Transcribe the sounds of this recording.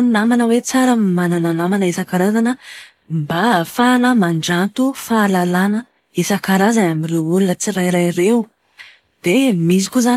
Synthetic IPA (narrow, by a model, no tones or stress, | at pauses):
unnamanəwet͡saɾəmmanananamanəesakaɾazanə | mbafanəmaɳɖ͡ʐant̪ufaːlalanə | esakaɾazanamirewulunət͡siɾajɾajɾew | d̪̥emis̬i̥kʲozan